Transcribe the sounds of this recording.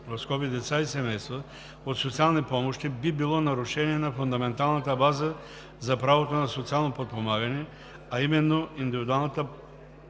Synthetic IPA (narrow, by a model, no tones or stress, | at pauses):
ɾoskɔpid̪ɛt̪saisɛmɛjst̪vɐ | ot̪sot̪sialˠnipɔmoʃt̪ibibilˠɔnɐɾʊʃɛniɛnɐfund̪ɐmɛnt̪alˠnɐt̪əbazə | zɐpɾavot̪onɐsot̪sialˠnopot̪̚pomaɡɐnɛ | aimɛnːoind̪ivid̪ʊalˠnət̪ə